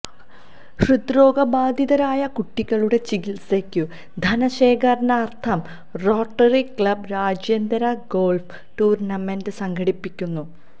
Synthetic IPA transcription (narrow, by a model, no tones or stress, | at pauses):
ɕrɨd̪ɾo̞ːɡɐbaːd̪ʱiðɐɾaːjɐkuʈːiɣɐɭuɽe̞t͡ɕiɡilsekːɨ | d̪ʱɐnɐɕe̞ːkɐɾɐnɐːrt̪ʰɐm | ro̞ːʈːɐrikɭɐbɾaːd͡ʑjɐnd̪ɐɾɐɡo̞ːlf | ʈuːrnɐme̞ndɨsɐŋɡɐɽipːikʲːunːu